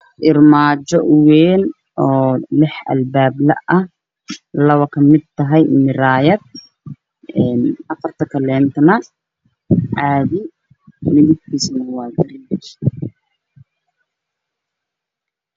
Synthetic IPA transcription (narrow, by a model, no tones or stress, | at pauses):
ʔɪrmaːt͡ʃɔʔʊwɛːn | ʔɔːlɪħʔɐ̰lbaːblɐ̰ʔɐh | lɐwɐkʰɐmɪd̪̚t̪ʰɐɦɛjmɪɾaːjɐd̪̚ | ɛːnʔɐfɐrt̪ʰɐkʰɐlɛːnt̪ʰnɐ | ʕaːðɪ | mɪðɪb̚kʰiːsnɐwɑːɡɐɾɪnbɐʃ